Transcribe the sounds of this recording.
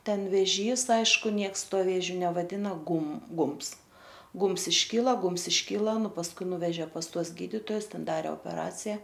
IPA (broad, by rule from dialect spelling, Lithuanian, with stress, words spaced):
ˈtʲɛn ʋʲɛˈʒʲiːs ˈɐɪʃkʊ ˈnʲiɛks ˈtuɔ ˈʋʲeːʒʲʊ nʲɛʋɐˈdʲɪnɐ ˈɡʊm ˈɡʊmps ˈɡʊmps ɪʃʲˈkʲiːlˠɐ ˈɡʊmps ɪʃʲˈkʲiːlˠɐ ˈnʊ pɐsˈkʊɪ ˈnʊʋʲɛʒʲɛ pɐs ˈtuɔs ˈɡʲiːdʲɪtoːjʊs ˈtʲɛn ˈdɑːrʲɛ oːpʲɛˈrɑːt͡sʲɪjɛ